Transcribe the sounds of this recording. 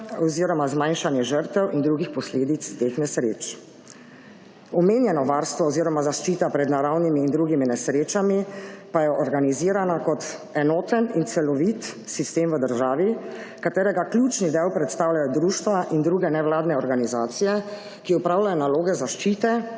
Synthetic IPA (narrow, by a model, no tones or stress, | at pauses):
ɔziːɾɔmazmajnʃanjɛʒəɾt̪ɛwʔind̪ɾuːɡixpɔsleːd̪it̪st̪eːxnɛsɾḛːt͡ʃ | ɔmeːnjɛnɔʋaːɾst̪ʋɔɔziːɾɔmazaʃt͡ʃiːt̪apɾɛd̪naɾawnimiːnd̪ɾuːɡiminɛsɾeːt͡ʃamipajɛʔɔɾɡaniziːɾanakɔt̪ɛnɔːt̪ənint̪sɛlɔʋit̪sist̪eːmʋəd̪əɾʒaːʋi | kat̪eːɾɛɡaklʲuːt͡ʃnid̪ɛwpɾɛt̪st̪aːwljajɔd̪ɾuːʃt̪ʋaʔind̪ɾuːɡɛnɛʋlaːd̪nɛɔɾɡanizaːt̪sijɛ | kiɔpɾaːwlajɔnaloːɡɛzaʃt͡ʃiːt̪ɛ